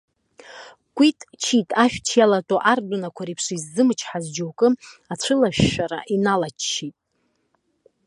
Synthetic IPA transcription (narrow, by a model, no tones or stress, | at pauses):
kʷʼitʼt͡ʃʰitʼaʃᶣt͡ʃʰjalatʼoʔardʷʊnakʷʰaɾipʰʂizːɨmɨt͡ʃʰħazd͡ʒowkʼɨat͡ɕʷʰɨlaʃᶣːʷaɾa̰ʔinalat͡ʃʰːitʼ